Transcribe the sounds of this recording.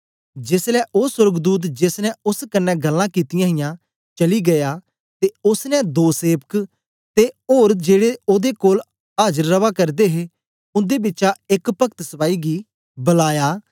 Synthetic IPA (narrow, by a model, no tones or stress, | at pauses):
d͡ʒɪslɛʔoːsʊɾɡd̪uːt̪̬d͡ʒɪsnɛʊskənːɛɡəlːãkit̪ɪjãːɦɪjãː | t͡ʃəliɡɐjaː | t̪eʊsnɛd̪oːseːpək | t̪eoːɾd͡ʒeːɽeoːd̪ekoːl | aːd͡ʒəɾːəʋaːkɐɾd̪eɦe | ʊnd̪ebɪːt͡ʃaɪkpɐkt̪səpaːiɡiː | bəlaːjaː